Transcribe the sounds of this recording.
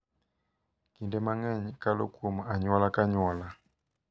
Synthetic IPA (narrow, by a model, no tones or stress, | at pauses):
kindɛmaŋɛɲikalo̰kumaaɲɔlakaɲɔla